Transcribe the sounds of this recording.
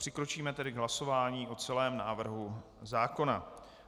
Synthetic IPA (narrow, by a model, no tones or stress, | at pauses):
r̝̥ɪkɾo̞t͡ʃiːmɛt̪ɛdɪɡɦlaso̞vaːɲiːʔo̞t͡sɛlɛːmnaːvr̩ɦu | zaːko̞na